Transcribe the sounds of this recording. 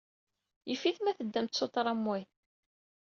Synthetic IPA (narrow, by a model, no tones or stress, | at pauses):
jəfiθmæθəd̪ːæmt̪sot̪ˤɾˤɑmːwæj